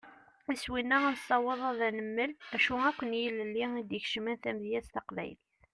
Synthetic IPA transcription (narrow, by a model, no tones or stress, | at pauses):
iswinːæænsˤɑwəðˤɑðænəmːəlæʃuækʷːənjəlːəlːiid̪əçʃəmænθæmðjæst̪ɑqvæ̰jliθ